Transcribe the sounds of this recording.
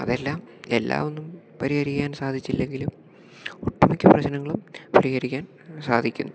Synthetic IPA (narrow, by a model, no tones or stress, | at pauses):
ɐ̰ðe̞lːaːme̞lːa̰ːʋonːum | pɐɾihɐɾikʲːaːnsaːd̪ʱit͡ɕːilːe̞ŋɡilum | oʈːumikʲːɐprɐɕnɐŋːɐɭumpɐɾihɐɾikʲːaːn | saːd̪ʱikʲːunːu